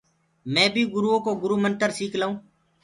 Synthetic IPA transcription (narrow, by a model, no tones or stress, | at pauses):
mɛ̃ːbʱiːɡʊɾuːõːkoːɡʊɾuːmənt̪əɾsiːkʰlaũː